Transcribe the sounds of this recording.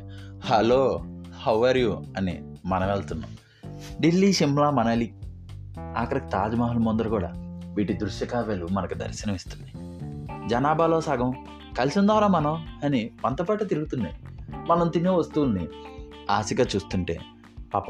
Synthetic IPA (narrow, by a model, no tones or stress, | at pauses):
hɐloːhɐwːɐɾjuɐnḭ | mɐnɐʋeːɭt̪unːɐ̰m | ɖilːiːʃimlaːmɐnɐli | a̰ːkɐɾɐki̥t̪aːd͡ʒɐmaːɦulmond̪ɐɾɐkuːɽa̰ːʋiːʈid̪ɾuʃjɐkaːʋelumɐnɐkud̪ɐ̰ɾsɐnɐmist̪und̪i | d͡ʒɐnaːbaːloːsaːɡɐm | kɐlisind̪ɔːɾaːmɐnɐmɐnipɐnt̪ɐpaːʈɐt̪̬iɾuɡut̪und̪emɐnɐmt̪injeːʋɐst̪uʋulni | aːsiɡaːt͡ʃuːst̪uɳʈe̞̰ː | paːpɐ